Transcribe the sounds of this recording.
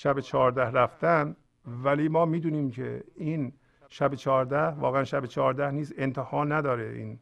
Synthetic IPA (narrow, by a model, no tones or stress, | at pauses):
ʃæbet͡ʃʰɒːɾd̪æhræft̪æn | væliːmɒːmiːd̪uːniːmkʰḛiːn | ʃæbet͡ʃʰɒːɾd̪æhvɒ̰ːɣeænʃæbet͡ʃʰɒːɾd̪æhniːsent̪ʰehɒːnːæd̪ɒːɾeʔḭːn